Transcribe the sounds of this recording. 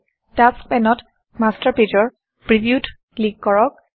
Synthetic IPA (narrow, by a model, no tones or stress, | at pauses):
tas̚pɛnɔt | mastəɹpitɔɹ | pɹibiut | liɡ̚kɔɹɔk̚